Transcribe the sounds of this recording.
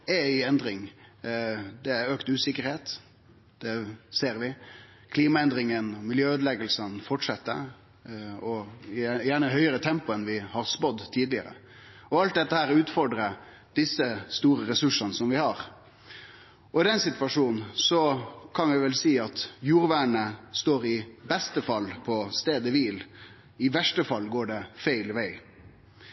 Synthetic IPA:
ɛɪɛnd̪ɾɪŋ | d̪ɛæøːkt̪ʉːsɪkːəɾheːt̪ | d̪̥ɛseːɾʋɪ | kʰliːmɑɛnd̪ɾɪŋənɔmɪljøːøːd̪əlɛɡəlsənfɔʈʂɛt̪ːə̰ | ɔjæːɳəɦœʏəɾət̪ʰɛmpʊɛnʋɪhɑɾspɔd̪t̪ʰiːd̪lɪə̰ɾə̰ | ɔɑlt̪̚d̪ɛt̪ːəhæːɾʉːt̪fɔɖɾə | d̪̥ɪsːəst̪uːɾəɾɛsʉʂənəsɔmʋɪhɑɾ | ɔɪd̪ɛnsɪt̪ʋɑʂuːnn̩sɔkʰɑnʋɛʋɛlsiːɑt̪juːɾʋæːɳəst̪oːɾɪbɛst̪əfɑlːpʰɔst̪eːd̪əʋiːl | ɪʋæʂʈəfɑlːɡoːɖɛfæɪlʋæɪ

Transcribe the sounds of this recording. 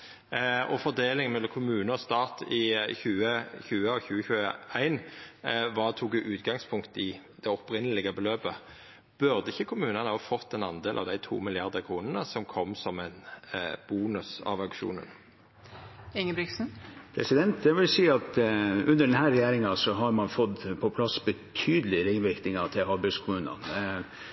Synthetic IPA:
ɔfɔʁd̪eːlɪŋmɛlːɔmkʰʊmʉːnəɔst̪ɑːt̪ʰɪçʉːəçʉːəɔçʉːəçʉːəæɪn | ʋɑːt̪ʰuːkʉʔʉːt̪ɡɑŋspʰʊŋkt̪ɪ | d̪̥ɛɔpɾɪnːəlɪɡəbəløːbə | b̥ʉʁd̪əɪçːəkʰʊmʉːnənəhɑfɔt̪ːɛnɑnd̪eːlʔɑ̰ʋd̪æɪt̪ʰṵːmɪljɑʁd̪əkʰʁuːnənəsɔmkʰɔmːsɔmæɪnb̥uːnʉsɑ̰ʋɑʉkʂṵːnə̰n | ɪŋəbɾɪksn̩pʰɾɛ̰sɪd̪ɛnt̪d̪ɛʋɪlsiːɑt̪ʉnːəɖɛnɦæːɾɛjeːɾɪŋɑsɔɦɑɾmɑnfɔt̪ːpʰɔpʰlɑsbət̪ʰyːd̪əlɪɾɪŋʋɪɾknɪŋɑt̪ʰɪlɦɑɾbɪskʰʊmʉːnɑ̰n

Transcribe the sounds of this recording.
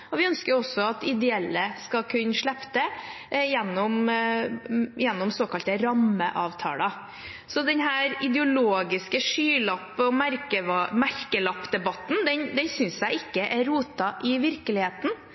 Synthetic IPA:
ɔʋɪœnskəɾɔsːɔɑt̪ɪd̪ɛɛlːəskɑkʰʉnːəʂɭɛpt̪ə | jɛnːɔm | jɛnːɔmsoːkɑlt̪əɾɑməʔɑːʋt̪ʰɑ̰ːlɑ | sɔd̪ɛnɦæːɾɪd̪ɛʊloːɡɪskəʂyːlɑpːɔmæɾkəmæɾkəlɑpːd̪ɛbɑt̪ːn̩d̪ɛnd̪ɛnsʏnsjæɪɪkːəʔæɾɾuːt̪ɑʔɪʋɪɾkəlɪheːt̪n̩

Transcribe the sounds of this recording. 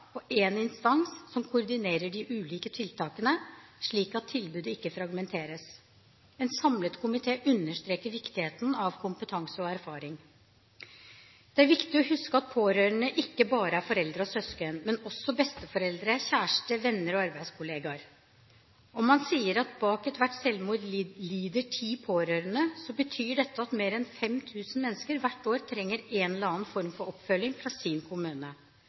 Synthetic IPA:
ɔʔeːnɪnst̪ɑnsːɔmkʰʊɾd̪ɪneːɾəɖɪʔʉːliːkət̪ʰɪlt̪ʰɑːkənəʂɭiːkɑt̪ʰːɪlbʉːd̪əɪkːəfɾɑɡmɛnt̪ʰeːɾəs | ɛnsɑmlət̪kʰʊmɪt̪ʰeːʔʉnːəʂt̪ɾeːkəɾʋɪkt̪ɪheːt̪nɑʋkʰʊmpət̪ʰɑŋsəɔæɾfɑːɾɪŋ | d̪̥ɛæɾʋɪkt̪ɪɔhʉskəɑt̪̚pʰoːɾøːɾəɳəʔɪkːəbɑːɾəæɾfɔɾɛld̪ɾəɔsœskənmɛnɔsːɔbɛst̪əfɔɾɛld̪ɾəçæːʂʈəʋɛnːəɾɔɑɾbæɪskʰʊleːɡɑɾ | ɔmːɑnsiːəɾɑt̪bɑːkɛt̪ʋæʈːsɛlmuːd̪liːd̪əʈʰiːpʰoːɾøːɾənəsɔbət̪ʰyːɖɛt̪ːəɑt̪meːɾɛnfɛmt̪ʰʉːsən̩mɛnːəskəɾʋæʈːoːɾt̪ʰɾɛŋːəɾɛːnlɑːənfɔɾmfɔɾɔpːfœlːɪŋfɾɑsinkʰʊmʉːnə

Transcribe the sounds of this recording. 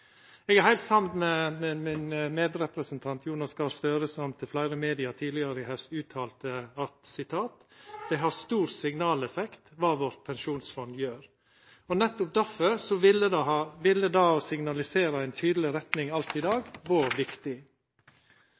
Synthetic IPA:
ɛɡæɾhæɪlt̪sɑmnmɛmɛmɪnmeːd̪ɾɛpɾəsənt̪ʰɑnt̪ʰjuːnɑskɑst̪øːɾəsɔmt̪ʰɪlflæɪɾəmeːd̪ɪɑt̪ʰiːlɪɑɾəɪhɛsʉːt̪ʰɑːlt̪əɑt̪sɪt̪ʰɑːt̪d̪̥ɛɪɦɑst̪uːɾsɪŋnɑːlɛfɛkt̪ʋɑːʋɔɾt̪̚pʰɛnʃuːnsfɔnd̪jøːɾ | ɔnɛt̪ːʊp̚d̪æfɔɾsɔʋɪləd̪ɑʋɪlːəd̪ɑːɔsɪŋnɑlɪseːɾɑæɪnt̪ʰyːd̪əlɪɾɛt̪nɪŋɑlt̪ɪd̪ɑːɡʋoːɾʋɪkt̪ɪ

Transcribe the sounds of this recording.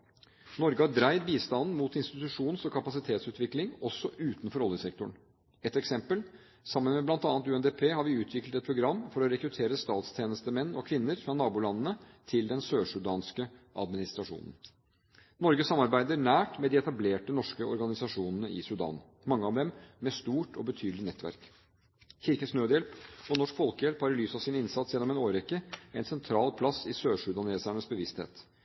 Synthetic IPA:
nɔɾɡəhɑɖɾæɪd̪biːst̪ɑnn̩muːt̪ɪnst̪ɪt̪ʉʂuːnsɔkʰɑpɑsɪt̪ʰeːt̪sʉːt̪ʋɪklɪŋɔsːɔʔʉːt̪nfɔɾɔlːəsɛk̚t̪ʊɳ | ɛt̪ɛksɛmpəl | sɑmːənmɛblɑnt̪ɑːnət̪ʉːɛnd̪eːpʰeːhɑɾʋɪʉːt̪ʰʋɪklət̪ɛt̪̚pʰɾʊɡɾɑmːfɔɾɔɾɛkɾʉt̪ʰeːɾəst̪ɑːt̪st̪ʰjeːnəst̪əmɛnːɔkʰʋɪnːəɾfɾɑnɑːbuːlɑnːənət̪ʰɪld̪ɛnsøːʂʉd̪ɑːnskəʔɑ̰d̪mɪnɪst̪ɾɑʂṵːnən̩ | nɔɾɡəsɑmːɑɾbæɪd̪əɾɳæːʈmɛd̪ɪɛt̪ɑbleːʈənɔʂkəɔɾɡɑnɪsɑʂuːnənəɪsʉd̪ɑ̰ːn | mɑŋːəɑʋd̪ɛmmɛst̪uːʈʰɔbət̪ʰyːd̪əlɪnɛt̪ːʋæ̰ɾk | çɪɾkənsnøːd̪jɛlpɔnɔʂkfɔlkəjɛlphɑɾlyːsɑsɪnɪnsɑt̪sjɛlːɔmɛnoːɾɛkːəæɪnsɛnt̪ʰɾɑːlpʰlɑsɪsøːʂʉd̪ɑneːsæɳəsbəʋɪst̪hḛːt̪

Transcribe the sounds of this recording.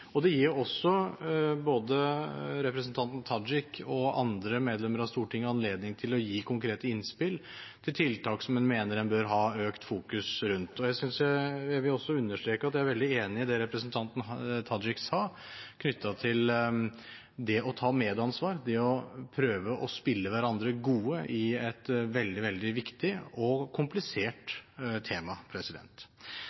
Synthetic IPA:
ɔd̪ɛjiːɾjɔsːɔboːd̪əɾɛpɾəsn̩t̪ʰɑnt̪n̩t̪ʰɑd͡ʒɪkːɔɑ̰nd̪ɾəmeːd̪lɛmːəɾɑst̪uːʈɪŋːəɑnleːd̪nɪŋt̪ʰɪlɔjiːkʰʊŋkʰɾeːt̪əɪnspɪlt̪ʰɪlt̪ʰɪlt̪ʰɑːksɔmɛnmeːnəɾɛnbœɾɦɑːøːkt̪fuːkʉsɾʉnt̪ɔjæɪsʏnsjæɪjæɪʋɪlɔsːɔʉnːəʂʈ̪ɾeːkəɾɑt̪jææɾʋɛld̪ɪeːnɪɪd̪ɛɾɛpɾəsnt̪ʰɑnt̪n̩t̪ʰɑd͡ʒɪkshɑ | kʰnʏt̪ʰːɑt̪ʰɪl | d̪ɛʔɔt̪ʰɑːmeːd̪ɑnsʋɑːɾd̪ɛɔpʰɾøːʋəʔɔspɪlːəʋæɾɑnd̪ɾəɡuːəʔɪɛt̪ʋɛld̪ɪʋɛld̪ɪʋɪkt̪ɪɔkʰʊmplɪseːʈt̪ʰeːmɑpʰɾɛsɪd̪ɛ̰nt̪

